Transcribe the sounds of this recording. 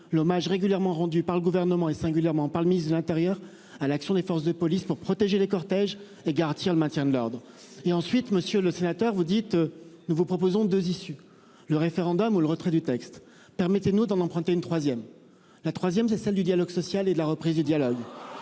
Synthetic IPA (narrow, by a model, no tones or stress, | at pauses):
lɔmaʒʁeɡʲyljɛʁmɑ̃ʁɑ̃d̪ypaʁləɡuvɛʁnəmɑ̃esɛ̃ɡʲyljɛʁmɑ̃paʁləminist̪d̪əlɛ̃t̪eʁjœʁ | alaksjɔ̃d̪efɔʁsd̪əpɔlispuʁpχɔt̪eʒelekɔʁt̪ɛʒ | eɡaʁɑ̃t̪iʁləmɛ̃t̪jɛ̃d̪əlɔʁd̪ʁ | eɑ̃sɥit̪məsjøləsenat̪œʁvud̪it̪nuvupχɔpozɔ̃d̪øzisy | ləʁefeʁɑ̃d̪ɔmuləʁət̪χɛd̪yt̪ɛkst̪ | pɛʁmɛt̪enud̪ɑ̃nɑ̃pχɑ̃t̪eynt̪χwazjɛm | lat̪χwazjɛmsɛsɛld̪yd̪jalɔɡsɔsjaled̪əlaʁəpχizd̪yd̪jalɔɡ